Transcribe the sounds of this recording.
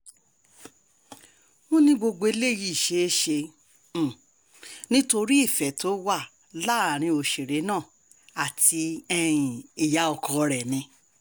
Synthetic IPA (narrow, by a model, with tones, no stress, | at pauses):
mũ˦nĩ˦ɡ͡bo˧ɡ͡bo˧e˧le˦˨ji˦i˨ʃe˨˦e˦ʃẽ˧˨ | nĩ˦to˧ɾi˦i˦˨fɛ˨to˦wa˦˨ | la˦a˨ɾ̃ĩ˧o˨ʃe˨ɾe˨˦nãː˦˨ | a˨ti˧ɛ̃˧ĩ˨i˨ja˨˦ɔ˧kɔ˧ɾɛ˨nĩ˧˦